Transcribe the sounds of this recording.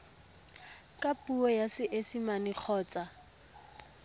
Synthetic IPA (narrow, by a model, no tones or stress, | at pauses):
kʼapʼuɔjasɪʔesimanik͡xʰɔːt͡sʼa